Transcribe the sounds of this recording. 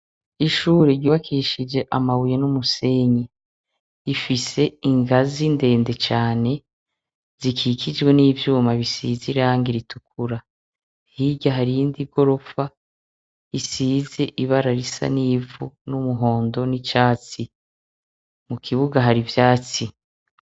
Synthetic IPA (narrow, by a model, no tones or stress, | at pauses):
iʃuːɾeɾɟuːβakʰiʃid͡ʒe̞ʔamawujenumuse̞ɲa | ifise̞iŋɡazinde̞ːnde̞t͡ʃaːne̞ | z̥ikʰiːkʰid͡ʒɡwe̞niːvjuːmaβisḭːziɾaːŋɡiɾitukuɾa | hiɟaɦaɾindiɡo̞ɾo̞fa | isiːze̞ʔiβaɾaɾisa̰niːvunumuɦo̞ːndo̞nit͡ʃaːt͡si | mukʰiβuɡaɦaɾivjaːt͡si